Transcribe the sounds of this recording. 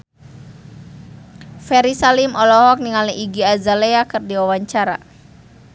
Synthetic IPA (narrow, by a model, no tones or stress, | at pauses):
fɛɾisalimɔlɔɦɔk̚niŋaliʔiɡiazaleakɨrdiwawaɲt͡ʃaɾa̰